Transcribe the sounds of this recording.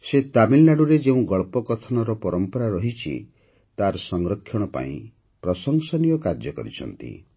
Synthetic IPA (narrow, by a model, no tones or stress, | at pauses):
set̪amilːaɽuɾed͡ʒeũɡɔɭpɔkɔt̪ʰɔnɔɾɔpɔɾɔmpɔɾaɾɔɦit͡ʃʰḭ | t̪aɾsɔŋɡɾɔkʰːjɔɽ̃ɔpa̰ḭ̃ | pɾɔsɔŋsɔnijɔkaɾd͡ʒɔkɔ̰ɾḭt͡ʃʰɔ̰nt̪ḭ